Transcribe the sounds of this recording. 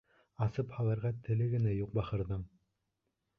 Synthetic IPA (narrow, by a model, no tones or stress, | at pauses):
ɑsɤphɑlˠɤ̆ɾʁɑt̪ʰɘ̆lɘɡɘ̆næjuq̚bɑχɤ̆ɾðɤm